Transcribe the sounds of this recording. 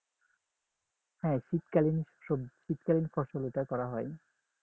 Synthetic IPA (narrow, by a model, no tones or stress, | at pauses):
hɛʃitkalinoʃit̪kalinfɔɾʃoloʈakɔɾaɦɔe